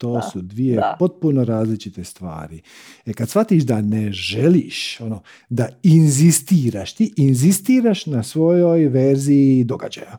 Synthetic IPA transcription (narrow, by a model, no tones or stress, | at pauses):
t̪o̞ːsud̪ʋijepo̞t̪̚puno̞ɾaːzlit͡ʃit̪est̪ʋa̰ːɾi | ekad̪sfʋat̪iːʃd̪aneʒeliːʃo̞no | d̪ainzist̪iːɾaʃt̪iʔinzist̪iːɾaʃnasʋo̞jo̞jʋeɾziːd̪o̞ɡa̰d͡ʒa̰ja